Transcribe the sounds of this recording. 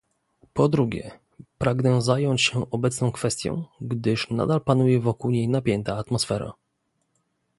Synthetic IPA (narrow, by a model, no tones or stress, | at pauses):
pɔd̪ɾuɡʲɛ̰ | pɾaɡnɛzajɔɲt͡ɕɕɛʔɔbɛt̪snɔ̃w̃kfɛst̪ʲjɔ̰̃w̃ɡd̪ɘʂna̰d̪alpanujɛvɔkuwɲejnapʲjɛnt̪aːt̪mɔsfɛɾa̰